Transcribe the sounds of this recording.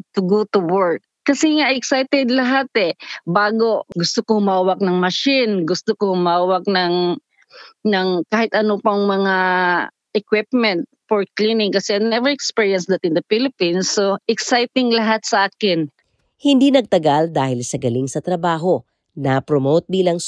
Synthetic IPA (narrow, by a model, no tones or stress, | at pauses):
t̪ʊɡut̪ʊwɛɹkːɐsɛŋaɛksajt̪ɛd̪lɐɦat̪ɛbaːɡo̞ɡʊst̪okohʊmaːwɐk̚nɐŋmɐʃɪnɡʊst̪okohʊmaːwɐk̚nɐŋ | nɐŋkaːhɪt̪ʔɐnopɐŋmɐŋa | ʔɛkwɪp̚mɛnt̪̚foɹklinɪŋkɐsɛnɛvɛɹɛkspiɹjɐnsd̪ɐt̪ɪnd̪ɐfilɪpinsːoʔɛksajt̪ɪŋlɐɦat̪̚sɐʔaːkɪn | hɪnd̪iːnɐɡ̚t̪ɐɡald̪aːhɪlsɐɡɐliŋsɐt̪ɾɐbaːɦo̞ | napɾomowt̪̚biːlɐŋ